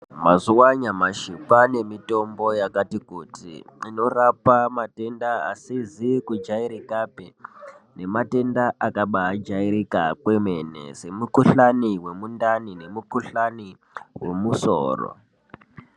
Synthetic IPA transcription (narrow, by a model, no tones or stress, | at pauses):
mazuwaɲamaʃipane̞mito̞mbo̞jakatikutḭino̞rapamate̞ndaa̰sizikud͡ʒaiɾikapene̞mate̞ndaakaɓaɦːd͡ʒaiɾikakwe̞me̞ne̞̰se̞mukuɬaniwe̞mundanine̞mukuɬani | we̞̰muso̰ːro̰